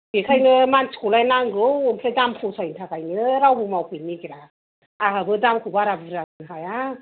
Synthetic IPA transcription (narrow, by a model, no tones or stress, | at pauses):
ɡ̥ikʰajnɯmansi̥kulajnaŋɡɯwɯmpʰɾajdampʰɔsʰajintʰakajnɯɾawbɯmawpʰɯnikiɾa | aɦabɯdamkʰubaɾabɯɾaɡɯnɦaja